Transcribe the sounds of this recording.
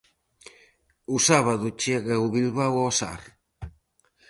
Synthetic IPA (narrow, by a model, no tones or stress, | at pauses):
usaβaðʊt͡ʃɛɣauβilβawɔsa̰ɾ